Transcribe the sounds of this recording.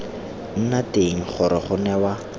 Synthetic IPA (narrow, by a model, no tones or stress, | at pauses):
n̩nateŋ̩χʊɾɪ̰χʊnɛwa